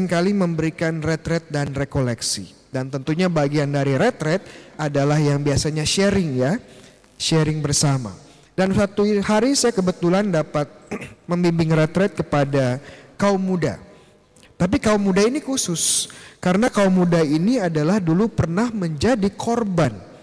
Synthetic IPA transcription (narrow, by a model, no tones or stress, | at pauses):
ɪŋkaliməmbəɾikanrɛt̪ɾɛt̪̚danrekolɛksḭ | dant̪ənt̪uɲabaɡiandaɾiɾɛt̪ɾɛt̪̚adalahjaŋbiasaɲaʃɛɾɪŋja | ʃɛɾɪŋbərsama̰ | dansat̪uhaɾisajakəbət̪ulandapat̪̚məmbimbɪŋrɛt̪ɾɛt̪̚kəpadakaumːuda̰ | t̪ap̬ikaumːudainikusʊskaɾənakaumːudainiadalahdulupərnahməɲd͡ʒadikʰorban